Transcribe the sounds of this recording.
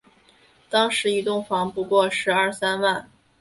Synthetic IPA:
t̪ɑ˥ŋʂɻ̩˧˥i˧˥t̪ʊ˥˩ŋfɑ˧˥ŋpu˧˥kwɔ˥˩ʂɻ̩˧˥ɐ˞˥˩sa˥nwa˥˩n

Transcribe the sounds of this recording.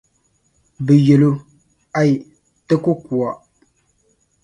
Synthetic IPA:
bɨ˨je˨lo˦ | a˦˨ | tə˦ko˦kwa˨

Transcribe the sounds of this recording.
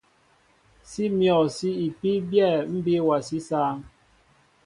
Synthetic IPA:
si˦mjɔ˨si˦i˨pi˦bjɛ˦˨m̩˦be˦wa˨si˦saː˦ŋ

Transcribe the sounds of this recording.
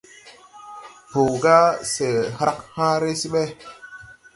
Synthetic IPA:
po˨ɡa˦se˨ha˦khã˦ɾe˦si˦ɓe˦

